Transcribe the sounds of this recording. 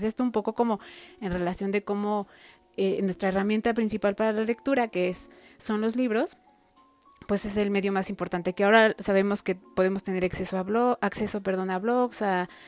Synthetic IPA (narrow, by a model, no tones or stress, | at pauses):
sest̪oumpo̞ko̞ko̞mo̞enre̞lasjo̞nd̪e̞ko̞mo̞ | enwe̞st̪ɾaeramje̞nt̪apɾinsipalpaɾalale̞k̚t̪uɾakeesːo̞nlo̞zliβ̞ɾo̞s | pwe̞se̞se̞lme̞ðjo̞masimpoɾt̪ant̪e̞keao̞ɾasaβe̞mo̞ske̞po̞ð̞e̞mo̞st̪e̞ne̞ɾakse̞so̞aβloakse̞sope̞ɾðo̞naβloksa